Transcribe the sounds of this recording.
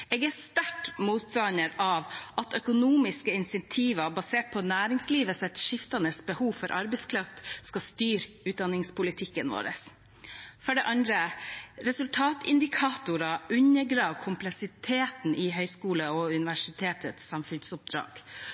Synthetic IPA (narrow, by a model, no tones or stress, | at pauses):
eːɡæst̪æʈmuːt̪sɑnəɾɑʋʔɑt̪œkʊnuːmɪskəɪnsɛnt̪ʰiːʋɑbɑseːʈ̚pʰɔnæːɾɪŋsliːʋəsɛt̪ʃɪft̪ɑnəsbəhuːʋfɔɾʔɑɾbɛskʰɾɑft̪skɑst̪yːɾ | ʉːt̪̚d̪ɑnːɪŋspʰʊlɪt̪ʰɪkːənʋo̰ːɾə̰s | fɔɖɛʔɑnd̪ɾəɾɛsʉlt̪ʰɑːt̪ʰɪ̰nd̪ɪkʰɑːt̪ʊɾɑʔʉɲːəɡɾɑːʋkʰʊmplɛksɪt̪ʰeːt̪n̩ʔɪɦœʏskuːləɔʉnɪʋæʂɪt̪ʰeːt̪ət̪sɑmfʉnsʊp̚d̪ɾɑ̰ːɡ̥